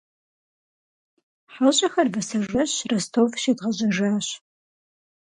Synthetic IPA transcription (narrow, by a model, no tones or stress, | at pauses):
ħaɕʼɐxɐrbɐsɐʒʒʷɐɕrɐstʰowfʃeːtʁɐʑɐʒaːɕ